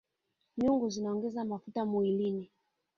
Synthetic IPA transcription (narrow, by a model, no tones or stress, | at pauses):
ɲuŋɡuzinaɔŋɡɛzamafutamuilini